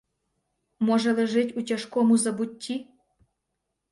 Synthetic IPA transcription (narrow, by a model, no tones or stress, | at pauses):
moʒelĕʒetʲutʲaʃkomuzɐbutʲʰːi